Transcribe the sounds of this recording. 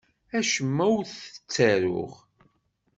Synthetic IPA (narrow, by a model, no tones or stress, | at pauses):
æʃəmːæwθə̥t͡sːæɾʊ̰ʁ